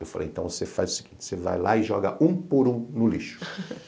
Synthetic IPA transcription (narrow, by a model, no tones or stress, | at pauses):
ewfalḛjẽnt̪ɐ̃w̃vosefa̰zʊsi̥ɡ̥ĩnt͡ʃɪ̥seva̰jlaɪʒɔɡɐʔũpʊɾũnʊliʃʊ̥